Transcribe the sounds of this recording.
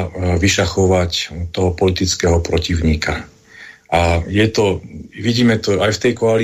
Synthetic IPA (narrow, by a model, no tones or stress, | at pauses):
ʋiʃaxɔʋact̪ɔɦɔpɔlit̪it͡skɛɦɔpɾɔciʊɲiːka | ʔajɛt̪ɔʋiɟiːmɛt̪ɔajft̪ɛjkɔali